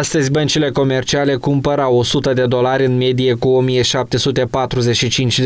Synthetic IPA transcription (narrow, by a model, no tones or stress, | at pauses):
st̪əzʲbənt͡ʃile̞ko̞me̞rt͡ʃiale̞kumpəɾawo̞sut̪əd̪e̞d̪o̞laɾʲɨnme̞d̪ije̞kuo̞mije̞ʃap̚t̪e̞sut̪e̞pat̪ɾuze̞ʃit͡ʃint͡ʃʲd̪